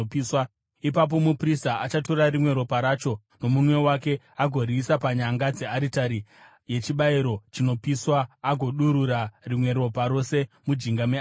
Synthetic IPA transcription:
piswa | ipap̬o̞mupristaʔat͡ʃato̞ɾarimwe̞ɾo̞paɾat͡ʃo̞ | no̞mumwe̞wake̞ | aɡʱo̞ɾiːsapaɲaŋɡad͡ze̞aɾitaɾi | je̞t͡ʃiɓaiɾo̞t͡ʃino̞piswaːɡʱo̞ɗuɾuɾarimwe̞ɾo̞paɾo̞se̞ | mud͡ʒiŋɡame

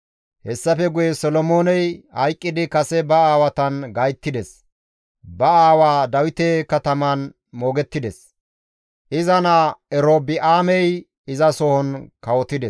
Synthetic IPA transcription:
hɛsːɐfɛɡʊjɛsɔlɔmoːnɛjhɐjkʼːɪd̪ɪkɐsɛbɐaːwɐt̪ɐnɡɐjt̪ːɪd̪ɛs | bɐaːwaːd̪ɐwɪt̪eːkɐt̪ɐmɐn | mo̞ːɡɛt̪ːɪd̪ɛs | ʔɪzɐnaɛɾoːbɪʔaːmɛj | ɪzɐsɔhɔnkɐwɔt̪ɪd̪ɛs

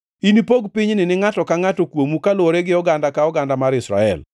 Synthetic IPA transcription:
inipoɡpɪɲnɪnɪŋatɔkaŋatokwomukalwoɾeɡɪɔɡandakaɔɡandamaɾɪsɾa̰ɛ̰l

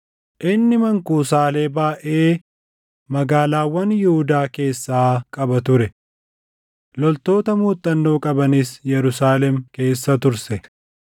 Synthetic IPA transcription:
ʔɪnːɪmɐŋkuːsaːle̞ːbaːʔe̞ː | mɐɡaːlaːwːɐnjɪhʊd̪aːke̞ːsːaːkʼɐbɐt̪ʊɾɛ | lɔlt̪o̞ːt̪ɐmuːt̪ʼːɐnːoːkʼɐbɐnɪsjɛɾʊsaːlɛmke̞ːsːɐt̪ʊɾsɛ

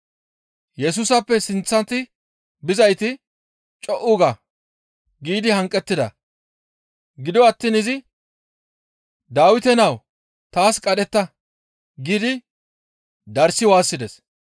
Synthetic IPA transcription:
jɛs̬usɐpːɛsɪnt͡sːɐt̪ɪ | bɪzɐjt̪ɪ | t͡ʃʼɔʔʊɡɐ | ɡiːd̪ɪɦɐŋkʼːɛt̪ːɪd̪ɐ̰ | ɡɪd̪ɔɐt̪ːiːnɪzɪ | d̪aːwɪt̪ɛnɐw | t̪aːskʼɐd̪ɛt̪ːɐ | ɡiːd̪ɪ | d̪ɐɾsɪwaːsːɪd̪ɛs

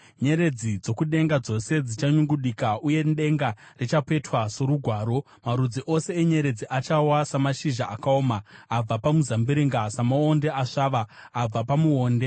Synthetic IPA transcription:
ɲe̞ɾe̞d͡zid͡zo̞kuɗe̞ŋɡad͡zo̞se̞d͡zit͡ʃaɲuŋɡuɗikauje̞nɗe̞ŋɡaret͡ʃapwe̞twaso̞ɾuɡʱwaːɾo̞ | maɾud͡ziʔo̞seːɲe̞ɾe̞d͡ziʔat͡ʃawasamaʃiʒaʔakaoːmaːb͡vapamuzambiɾiŋɡasamao̞nde̞aʂaːʋaː | b͡vapamuɦo̞ːnde̞

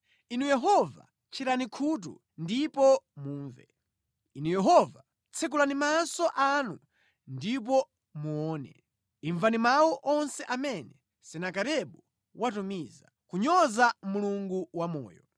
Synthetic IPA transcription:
inujɛɦɔva̰ | t͡ʃʰiɾanikʰut̬ṵ | ndipɔmuːɱvɛ̰ | inujɛɦɔva | t͡sʰɛk̬ulanimasɔʔanu | ndip̬ɔ | muɔːnɛ̰ | iɱvanimawɔʔɔnsɛʔamɛnɛ | sɛnakaɾɛɓu | wʔatumiza | kuɲɔzamuluŋɡuwamɔ̰ːjɔ

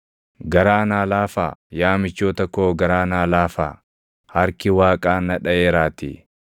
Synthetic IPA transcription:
ɡɐɾaːnaːlaːfa̰ːjaːmɪt͡ʃːoːt̪ɐkːoːɡɐɾaːnaːlaːfa̰ː | hɐɾkɪwaːkʼaːnɐᶑɐeːɾaːt̪ɪ̰

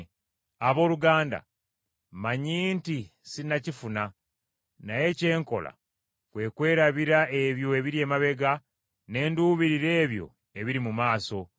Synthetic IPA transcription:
aβo̞ːluɡaːnda̰ | maɲiːntisinacifuna | naje̞ce̞ːŋko̞̰la̰ | kwe̞ːkwe̞ːɾaβiɾae̞βjo̞e̞βiɾie̞ːmaβe̞ɡa | ne̞ːnduːβiɾiɾe̞ːβjo̞̰ | e̞βiɾimumaːso̞

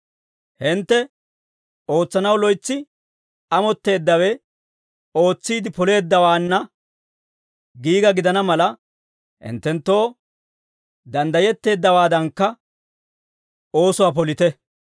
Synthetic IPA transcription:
hɪnt̪ːɛ | o̞ːt͡sːɐnɐwlɔjt͡sːɪ | ɐmɔt̪ːe̞ːd̪ːɐwɛ | o̞ːt͡sːiːd̪ɪpɔle̞ːd̪ːɐwaːnːɐ | ɡiːɡɐɡɪd̪ɐnɐmɐlɐ | hɪ̰nt̪ːɛnt̪ːo̞ː | d̪ɐnd̪ɐjɛt̪ːe̞ːd̪ːɐwaːd̪ɐŋkːɐ | o̞ːsʊwaːp̬ɔlɪt̪ɛ

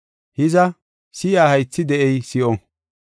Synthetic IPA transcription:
hɪzɐ | siːaːhɐjt͡sːɪd̪ɛʔɛjsɪʔɔ

